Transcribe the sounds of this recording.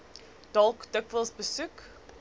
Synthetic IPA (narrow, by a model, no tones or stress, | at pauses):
d̥ɔlˠkdəkvəlˠsbəsʉk